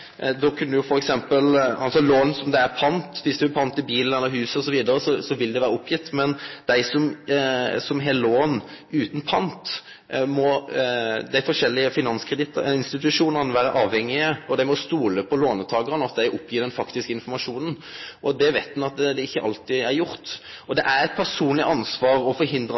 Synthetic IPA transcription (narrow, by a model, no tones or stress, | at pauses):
d̪ɔkʰʉnːəjʊfɔɾɛksɛmpəlɑlsɔloːn̩sɔmd̪ɛæɾpʰɑnt̪ʋɪsd̪ʉæpʰɑnt̪ɪbiːlənɛlːəɾɦʉːsəɔsɔʋiːd̪əɾəsɔsɔʋɪld̪ɛʋæːɾəʊpʰːjɪt̪ːmɛnd̪̥æɪsɔm | sɔmɦeːləloːnʉːt̪npʰɑnt̪ | mɔ | d̪æɪfɔʂɛlːɪəfɪnɑnskʰɾəd̪ɪt̪ɪnst̪ɪt̪ʉʂuːnəʁnəʋæːɾəʔɑːʋhɛŋːɪəɔd̪æɪmɔst̪uːləpʰɔloːnət̪ʰɑːɡəʁənɑt̪d̪æɪʔʊpʰːjiːɾd̪ɛnfɑkt̪ɪskəɪnfɔɾmɑʂuːnən | ʔɔd̪ɛʋæɪt̪̚d̪nɑt̪̚d̪ɛɪçːəʔɑ̰lt̪ɪæɾjʊɾt̪ | ɔd̪ɛʔæɾɛt̪̚pʰæʁʂuːnlɪʔɑnsʋɑːɾɔfɔɾhɪnd̪ɾə